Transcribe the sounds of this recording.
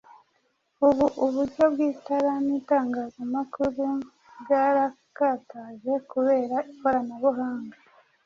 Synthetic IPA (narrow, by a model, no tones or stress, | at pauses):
uβuʔuβuɾɟo̞bɡiːtaɾanitaːŋɡaːzamakuɾu | bɡaɾa | kaːtaʒe̞kuβe̞ːɾaiko̞ɾanaβuɦaːŋɡa